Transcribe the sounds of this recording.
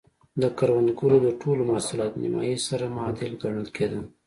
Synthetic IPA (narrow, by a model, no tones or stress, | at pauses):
d̪əkaɾwanɡulod̪əʈʰolomaːsulɑt̪nḭma̰jisaɾamɑd̪ɪlɡəɳəlkʰed̪ən